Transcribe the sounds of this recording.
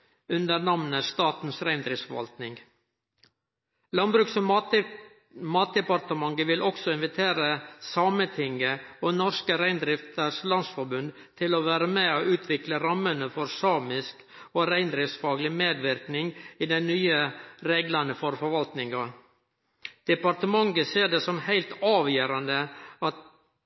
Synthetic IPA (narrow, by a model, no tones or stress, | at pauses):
ʉnd̪əɾnɑmnəst̪ɑːt̪n̩sɾæɪnd̪ɾɪftsfɔʋɑ̰lt̪nɪŋɡ | lɑnbɾʉːksɔ | mɑːt̪̚d̪ɛpɑɾt̪əmɑŋɡəʋɪlʔɔksɔɪnʋɪt̪ʰeːɾəsɑːmət̪ʰɪŋːəoːnɔskəɾæɪnd̪ɾɪft̪əɾʂlɑnsfɔɾbʉnd̪ | t̪ʰɪlɔʋæːɾəmɛoʔʉːt̪ʰʋɪkləɾɑmːənəfɔɾsɑːmɪsk | oɾæɪnd̪ɾɪft̪sfɑːɡlɪmeːd̪ʋɪɾknɪŋiːd̪ɛnnyːəɾeːɡlɑnəfɔɾfɔɾʋɑlt̪nɪŋɑ | d̪̥ɛpɑɾt̪əmɑŋɡəseːɖeːsɔmhæɪlt̪ɑːʋjøːɾɑnd̪əɑt̪